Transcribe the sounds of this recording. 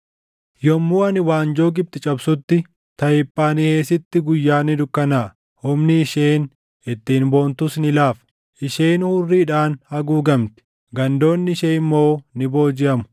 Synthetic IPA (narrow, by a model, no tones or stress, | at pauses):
jɔmːuːɐnɪwaːnd͡ʒo̞ːɡɪb̚t̪ɪt͡ʃʼɐbsʊt̪ːɪ | t̪ɐjɪpʼːaːnɪheːsɪt̪ːɪɡʊjːaːnːɪd̪ʊkːɐnaː | hʊmnɪɪʃeːn | ɛt̪ːiːnbo̞ːnt̪ʊsnɪlaːf | ʔɪʃeːnhʊrːiːᶑaːnhɐɡuːɡɐmt̪ɪ̥ | ɡɐnd̪o̞ːnːɪʃeːmːoːnɪbo̞ːd͡ʒɪʔɐmʊ̥